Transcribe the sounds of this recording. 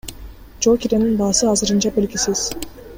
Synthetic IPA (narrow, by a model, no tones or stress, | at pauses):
d͡ʒokʲiɾʲeninbɑːsɯɑzɯɾɯnt͡ʃɑbelɡʲisiz̥